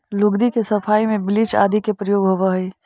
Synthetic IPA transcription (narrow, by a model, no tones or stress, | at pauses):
lʊɡd̪ikesɐpʰaːimẽbɪlit͡ʃa̰ːd̪ʱikepɾəjoːɡɦoːʋaɦəi